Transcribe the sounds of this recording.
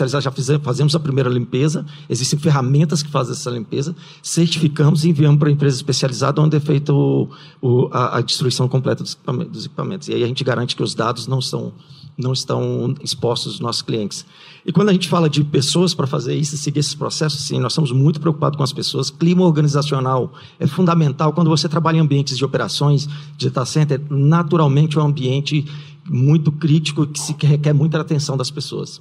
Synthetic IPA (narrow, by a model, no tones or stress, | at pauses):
ializad̪ʒafizẽfazẽmʊzɐpɾimejɾɐlĩpezɐ | ezist̪ẽj̃feɦamẽnt̪ɐskɪ̥fazẽɛsɐlĩmpezɐ | seɾt͡ʃifikɐ̃mʊzɪẽviɐ̃mʊp̬ɾɐẽmpɾezɐispesializa̰d̪ɐõd͡ʒ̪ɪɛfejt̪ɐʊ | ʊɐʔɐ̰d͡ʒist̪ɾuisɐ̃w̃kõmplɛt̪ɐd̪ʊzkpamḛ̃d̪ʊzekipamẽnt̪ʊzɪaiɐʒẽnt͡ʃɪɡaɾɐ̃nt͡ʃɪ̥kɪʊzd̪ad̪ʊznɐ̃w̃sɐ̰̃w̃nɐ̃w̃ɪst̪ɐ̰̃w̃ispɔst̪ʊznɔsʊ̥skliẽnt͡ʃɪ̥s | ɪkwɐ̃nd̪ʊɐʒẽnt͡ʃɪfalɐd͡ʒɪpesoɐspɾɐfazeɾisʊɪseɡiɾesɪ̥spɾo̰sɛsʊssĩnɔzst̪ɐ̃mʊzmũj̃t̪ʊpɾeokupad̪ʊskõɐspesoɐsklĩmɐoɾɡɐ̃nizasionaw | ɛfũnd̪ɐmẽnt̪awkwɐ̃nd̪ʊvoset̪ɾabaʎɐ̃ẽɐ̃mbiẽnt͡ʃɪzd͡ʒɪopeɾa̰sõj̃sd͡ʒɪet̪asẽnt̪eɾnat̪uɾawmẽnt͡ʃɪũɐ̃mbiẽnt͡ʃɪ | mũj̃t̪ʊkɾit͡ʃi̥kʊɪkɪ̥sɪkɦekɛɾmũj̃t̪ʊat̪ẽsɐ̃w̃d̪ɐspeso̰ɐ̰s